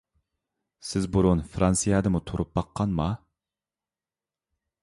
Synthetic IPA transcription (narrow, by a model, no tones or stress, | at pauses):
sɪzbuɾunfɾɑnsijɑd̪əmut̪ʰoɾʔup̚bɑqʰːɑnmɑ